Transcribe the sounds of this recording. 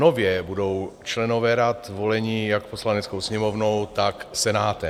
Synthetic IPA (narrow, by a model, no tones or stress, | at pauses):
ovjɛbudo̞wt͡ʃlɛnovɛːɾat̪volɛɲiːjakposlanɛt͡skowsɲɛmovno̞wt̪aksɛnaːt̪ɛ